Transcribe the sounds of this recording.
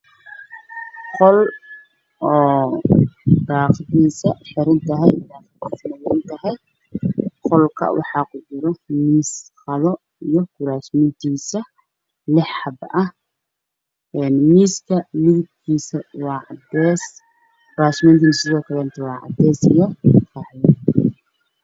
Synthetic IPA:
qɔl | ʔɔː | daːqðiːsɐħɪɾɐnt̪ʰɐɦɛjd̪aːfdiːsɐnɐwɪnt̪ʰɐɦɛj | qɔlkʰɐ̰wɑ̰ħɑːkʰʊd͡ʒɪɾɔmiːsqɐðɔ | ijɔɡʊɾaːsmɪnt̪ʰiːsɐ | lɪħħɑbɐh | ɛnmiːskʰɐmɪðɪb̚kʰiːsɐwɑːʕɑd̪ɛːs | kʊɾaːsmɛnt̪iːnsɪðɔːkʰɐlɛɪnt̪ʰɛwɑːʕɑ̰d̪ɛːsḭjɔfɑːħjɐ

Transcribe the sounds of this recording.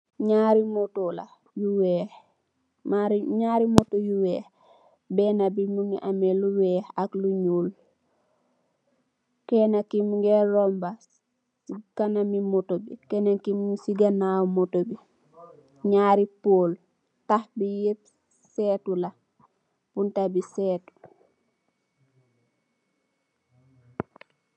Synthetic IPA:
ɲaːɾimotola̰ | juwɛh | maɾiɲaːɾimotojuwɛːh | bɛnabimuŋḭʔameluwɛːhakluɲuːl | kɛnakimŋɡɛɾomba | sikanamimotobikɛnakimsiɡanaːwmotobi | ɲaːɾipoːl | tahbijep̚ | sɛːtula | b̥untabisɛːtu̥

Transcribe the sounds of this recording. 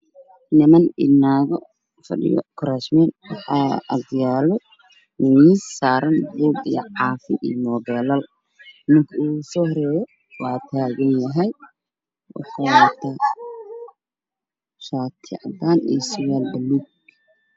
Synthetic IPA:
nɪmɐnɪ̰naːɣɔ | fɐ̰ɗɪ̰jɔ̰kʰʊɾaːʃmɛːnwɑħɑːɐ̰djaːlɔ | nɪwissaːɾɐnbuːɡijʕɑːfɪʔḭːmɔːbɛːlɐl | mɪŋkʰɐuːsɔːhɾɛːjɔ | wɑːt̪ʰaːɣɐnjɐɦɛj | wɑ̰ħɑnɐt̪ʰa | ʃaːt̪ʰɪʕɑd̪aːnḭːsʊwaːlbɐluɡ

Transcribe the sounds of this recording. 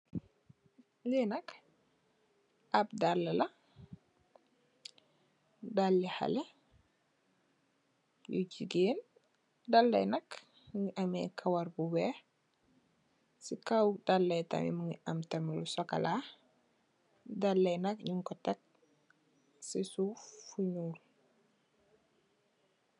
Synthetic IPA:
linɐk | ʔɐp̚dalːɐlɐ | dalːiha̰lɛ | jṵt͡ʃiɡeːn | dalːɐ̰jnɐk | ŋiʔɐmɛkʰawaɾbuwɛ | sikawdalːɛjtɐ̰mḭmuŋiɐmtɐmilusɔka̰la | dalːɛjnɐk̚ɲiŋkɔtɐk̚ | sisufuɲuːl

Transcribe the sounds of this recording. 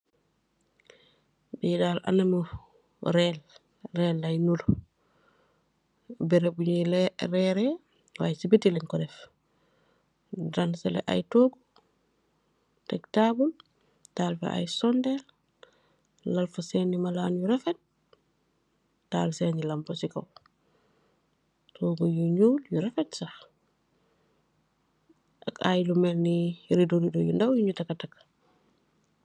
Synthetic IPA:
bidalʔa̰namu | ɾɛl | ɾɛːlːajnul | bɛɾebuɲilɛɾɛɾɛ | wajsibitiliŋkɔdɛf | dansɛlɛ̰ʔa̰jtoːɡu | tɛktabul | taːlfɛ̰ʔa̰jsɔndɛ | lɐlfasɛːnːimalaːnjuɾɛfɛt̚ | taːlsɛːnilɐmbosikɐw | tʰoːɡɔjuɲuːljuɾɛfɛtsax | ʔɐkajlumɛlniɾidoɾidojundawjuɲutakatak

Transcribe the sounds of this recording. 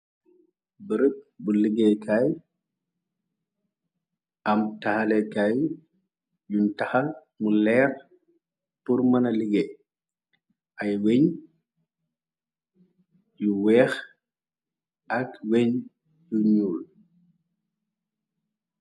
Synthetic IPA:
bəɾəp̚buliɡɛkʰaj | ɐmtɐxɐlɛkaj | juntɐxɐl | mulɛːɾ | purmɐnɐliɡɛ | ʔɐjweɲ | juwɛːx | ʔɐkweɲ | juɲuːl

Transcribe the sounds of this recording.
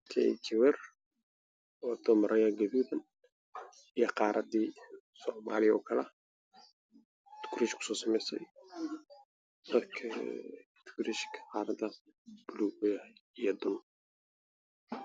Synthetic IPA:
t̪ʰɛ̰t͡ʃɪwɛr | ɔːd̪̥ɔmɐɾʔɐjɐɡɐðuːðɐn | ijɐqɑːɾʔɐd̪iː | sɔːma̰ːlɪɔ̰ːkʰɐlɛ | t̪ʊ̥kʰɾiʃkʰʊ̥sɔːsɐmɛjsɛ̰j | d̪̥ɐd̪kʰɐ̰ | t̪ʰkʰɾiʃkʰɐ̥qɑːɾɐd̪ɐ | b̥ʊlujɐijɔd̪ʊn

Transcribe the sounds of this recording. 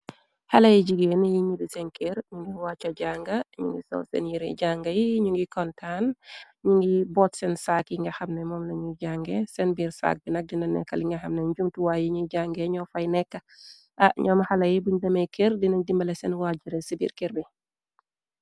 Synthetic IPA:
halɐjiɟiɡeːnjiɲudisɛnkɛɾɲuŋɡiwaːt͡ʃːɐɟaŋɡɐɲṵŋɡisɔ̰sɛ̰njiɾɛ̰ɟaŋɡɐjiɲuŋɡikɔntʰan | ɲuŋɡibɔtsɛnsakjiŋɡɐxɐmnɛmɔmnɐɲuɟaŋɡɛsɛnbiːɾsa̰ːk̚binɐk̚dinɐnɛ̰kːɐliŋɡɐxɐmnɛɲd͡ʒumtuwajiɲuɟaŋɡɛɲɔfɐjnɛkːɐ | ʔaʔɲɔːmhɐlɐjibuɲdɐmɛjkɛɾdinɐɲdimbɐlɛsɛnwad͡ʒiɾɛsibḭːɾkɛɾbi

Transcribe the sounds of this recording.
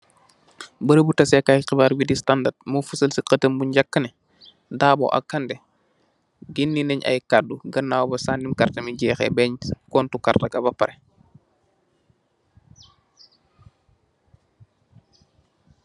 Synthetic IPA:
bəɾəbutɐsɛkaqibaːɾwidistandat̚mufusɐlsiqətəmbuɲɟakːɐnɛ | daːbɔ̰ʔa̰kːandɛ | ɡinːinɛɲa̰jkadːuɡɐnːawbɐsandimkartɐmiɟɛːxɛ̰bɛɲkɔːntukartɐɡɐbɐpɐɾɛ

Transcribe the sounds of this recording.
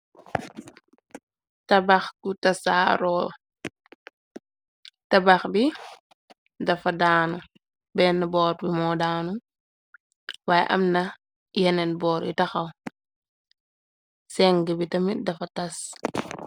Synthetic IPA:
tɐbaxkutɐsaːɾɔl | tɐbaxbi | dɐfɐdaːnu | bɛːnːɐbɔːɾbimɔdaːnu | waːjɛ̰ʔɐ̰mnɐ | jɛnɛnbɔːɾitɐxɐl | sɛŋɡəbitɐmidɐfɐtɐs

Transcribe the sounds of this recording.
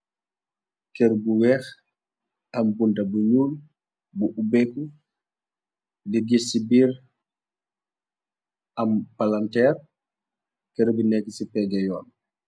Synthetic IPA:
kɛɾbuwɛːx | ɐmbundabuɲuːl | buʔubɛku | diɡisibiːɾ | ɐmpalantɛːr | kɛɾubinɛkːisipɛɡɛjɔːn

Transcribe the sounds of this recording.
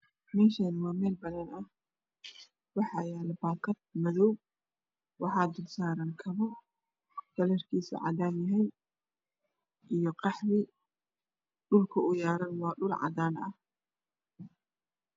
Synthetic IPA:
mɛːʃaːnwɑːmɛːlbɐðɐnɐh | wɑħɑjaːlɛbaːkʰɐd̪̚mɐðɔw | wɑħɑːd̪ʊlsaːɾankʰɐβɐ | kʰɐlɛrkʰiːsɪ̰ʕɑ̰d̪aːnjɐɦɛj | ʔijɞqɑħβɪ | ɗʊlkʰɐʊjaːɾɐnwɑːɗʊlʕɑ̰d̪aːnɐh

